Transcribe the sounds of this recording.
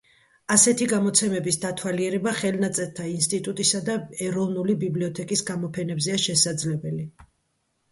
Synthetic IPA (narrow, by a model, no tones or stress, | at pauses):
asɛt̪ʰiɡamɔt̪sʰɛmɛbisd̪at̪ʰwaliɛɾɛbaχɛlnat̪sʼɛɾt̪ʰainst̪ʼit̪ʼut̪ʼisad̪aɛɾɔvnulibibliɔt̪ʰɛkʼisɡamɔpʰɛnɛbzɛaʃɛsad̪zlɛbɛli